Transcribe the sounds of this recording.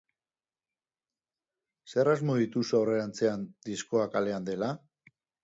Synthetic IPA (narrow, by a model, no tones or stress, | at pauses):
se̞razmo̞ðit̪usawre̞ɾant͡se̞and̪isko̞akale̞and̪e̞la